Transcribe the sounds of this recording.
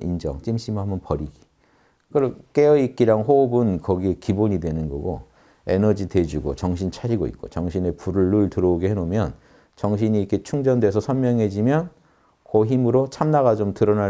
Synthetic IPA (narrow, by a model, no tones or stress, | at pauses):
ḭnd͡ʑʌ̰ŋt͡ɕ͈imɕ͈ʰimɦamʌnpʌɾiɡi̥ | kɯɾʌk͈eʌik̚k͈iɾaŋɦoubɯnkʌɡie̞kiboɲidwe̞nɯnɡʌ̰ɡo | e̞nʌd͡ʑitwe̞d͡ʑuɡo̰t͡ɕʌŋɕʰint͡ɕʰaɾiɡoḭt̚k͈o̰t͡ɕʌŋɕʰine̞puɾɯɭːuɭtɯɾʌoɡehenomjʌn | t͡ɕʌŋɕ̬ʰiɲiikʰe̞t͡ɕʰuŋd͡ʑʌndwe̞sʰʌsʰʌnmjʌŋɦe̞d͡ʑimjʌn | koɦimɯɾot͡ɕʰamnaɣad͡ʑomtɯɾʌna